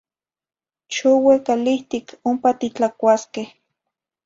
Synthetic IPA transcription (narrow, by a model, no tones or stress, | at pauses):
ʃowekaliht̪ikʰompat̪it͡ɬakʷaskeh